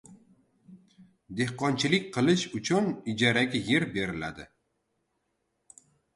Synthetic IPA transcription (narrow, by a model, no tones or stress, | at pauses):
d̪e̞hqɒnt͡ʃʰɪlɪk̚ʲqʰɨlˠɪʃʊt͡ʃʰʊnɪd͡ʒaɾaɡʲaje̞ɾbe̞ɾɪla̰d̪ɪ̰